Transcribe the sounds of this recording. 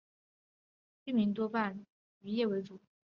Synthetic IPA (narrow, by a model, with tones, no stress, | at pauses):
y˥˩mi˧˥ŋt̪̬wɔ˥pa˥˩n | y˧˥jɛ˥˩we˧˥ɪt͡su˨˩˦